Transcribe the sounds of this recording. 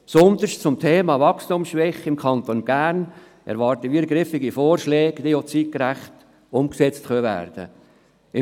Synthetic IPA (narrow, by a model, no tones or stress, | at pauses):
psʊnt̪əʃtt͡sʊmtʰeːmɑːʋɑkstumsʃʋɛχɪmkʰɑnt̪onbæːɾn | ʔɛ̰ɾʋɑɾtəʋiɡɾɪfɪɡifoːɾʃlɛːɡ̥d̥̪ijot͡sit̚kɾæχt | ʊmksɛt͡stχœʋæ̰ːɾd̥ə̰ | ɪ